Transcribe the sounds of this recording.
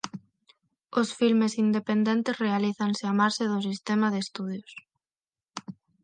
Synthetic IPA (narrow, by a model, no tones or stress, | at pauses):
ʊsfilmesind̪epend̪ent̪esrealiθansɪamaɾsɪðʊsist̪emaðest̪uð̞jʊs